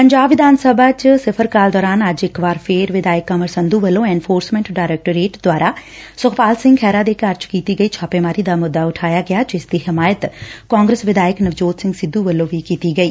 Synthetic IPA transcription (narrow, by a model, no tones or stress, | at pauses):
pəɲd͡ʒaːbʋɪd̪aːnsəbaːt͡ʃsɪpʰəɾkaːld̪ɔːɾaːnəd͡ʒɪkbaːɾpʰeːɾʋɪd̪aːjəkːãməɾsənd̪uːʋəlːõːɛːnpʰoːɾsmɛ̃ɳʈɖaːɪɾɛːk̚ʈəɾeːʈd̪waːɾaː | sʊkʰpaːlsɪ̃ŋɡkʰɛːɾaːd̪eːkəɾd͡ʒkiːt̪iːɡəiːt͡ʃʰaːpeːmaːɾiːd̪aːmʊd̪ːaːʊʈʰaːjaːɡɪaːd͡ʒɪsd̪iːɦɪmaːjət̪kãːŋɡɾəsʋɪd̪aːjəknəʋd͡ʒoːt̪sɪ̃ŋɡsɪd̪ːuːʋəlːõːʋiːkiːt̪iːɡəiː